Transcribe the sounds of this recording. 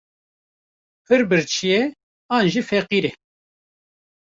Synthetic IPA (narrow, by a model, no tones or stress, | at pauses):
pʰɨɾbɨɾt͡ʃʰijɛ | aːnʒifɛqiːɾɛ